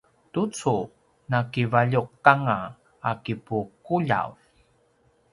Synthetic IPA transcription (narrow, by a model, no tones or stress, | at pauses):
tut͡su | nakivaʎuq̚kaŋa | akipukuʎa̰v